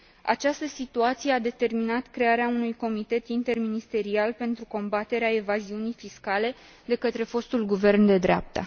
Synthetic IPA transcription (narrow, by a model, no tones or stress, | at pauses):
a̰t͡ʃast̪əsit̪uat̪sijead̪e̞t̪e̞rminat̪kɾe̞aɾeaunujko̞mit̪e̞t̪int̪e̞rminist̪e̞ɾialpe̞nt̪ɾuko̞mbat̪e̞ɾeae̞vaziunijfiskale̞ | d̪e̞kət̪ɾe̞fo̞st̪ulɡuve̞rnd̪e̞d̪ɾeap̚t̪ə